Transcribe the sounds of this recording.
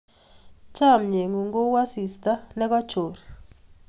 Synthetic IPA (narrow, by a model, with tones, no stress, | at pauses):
t͡ʃa˦˨mɲe˨ŋu˨ŋɡo˦wa˦si˨sta˦nɛ˦ka˦t͡ʃo˨ɾ